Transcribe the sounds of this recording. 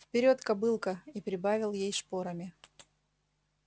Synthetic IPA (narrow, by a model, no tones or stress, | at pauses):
fpʲɪɾʲo̞t̪kɐbɨlˠkəipɾʲɪbavʲɪlˠjejspo̞ɾəmʲɪ